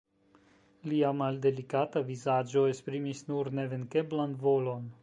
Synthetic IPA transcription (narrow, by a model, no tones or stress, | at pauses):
liamalde̞likatavizad͡ʒo̞espɾimisnuɾne̞ve̞nke̞blanvo̞lo̞n